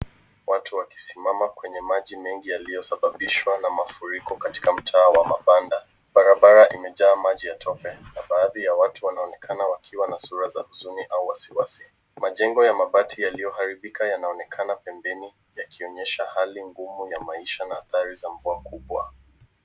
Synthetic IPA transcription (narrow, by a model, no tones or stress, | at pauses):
watuwaki̥simamakwɛɲɛmaʄimɛŋɡijalijɔsaɓaɓiʃwanamafuɾikɔkati̥kam̩tʰaːwamapanda | ɓaɾaɓaɾaʔimɛʄaːmaʄijatʰɔpɛnaɓaːðijawatuwanaɔnɛkʰanawakʰiwanasuɾazahuzuniʔauwasiwasi | maʄɛŋɡɔjamaɓatʰijalijɔhaɾiɓikajanaɔnɛkʰanapɛmbɛni | jakiɔɲɛʃahaliŋɡumujamaiʃanaːθaɾizaɱ̩vuakuɓwa̰